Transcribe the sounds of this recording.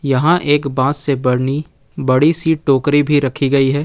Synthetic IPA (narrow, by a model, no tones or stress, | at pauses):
jɐɦãʔeːkbãːssebɐɽni | bɐɽisiːʈ̚ʈoːkɾibʱiɾɐkʰiɡɐiɦɛː